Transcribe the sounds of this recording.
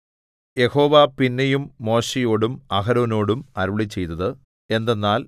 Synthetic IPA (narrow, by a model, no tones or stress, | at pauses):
je̞ho̞ːʋapinːɐjumːo̞ːɕɐjo̞ːɽumɐɦɐɾoːno̞ːɽumɐɾuɭit͡ɕːe̞jt̪ɐðɨ | e̞nd̪e̞nːaːl